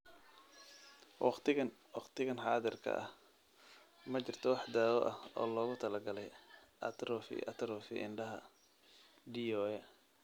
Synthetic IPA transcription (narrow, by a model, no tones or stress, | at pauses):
wɑqt̪ɪɐwɑqt̪ʰɪɣɐnħɑːðɪrkʰɐ̰ʔɐh | mɐt͡ʃɪrt̪ʰɔwɑħd̪aːwɔʔɐhɔ̰ːlɔːɣʊt̪ʰɐlɐɡɐlɛjɐ̰t̪ɾɔfɪ̰ʔɐt̪ʰɾɔfɪ̰ʔɪ̰nɖɐɦɐ̰ | ɖiɔːɛ